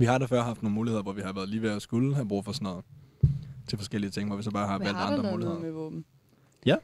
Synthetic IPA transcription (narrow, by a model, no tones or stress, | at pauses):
ʋihɑ̈ɾ̥ɑfɶɐ̰ɦɑ̈fd̥no̝ːnmuːlihe̝ðˠɐʋɒʋihɑ̈ʋæːɐðˠliːʋeɒsɡ̥ulɦæb̥ʁṵːfɒ̽sɔnɔ̽ːð̩ˠ | t͡sʰe̝lfɒsɡ̥el̰iət͡sʰe̝ŋ̰ʋɒʋisɒ̽b̥ɑ̈ːhɑ̈ʋæl̰d̥ɑnn̥ʁɐdmuːliheð̰ˠɔb̥̩ | jæ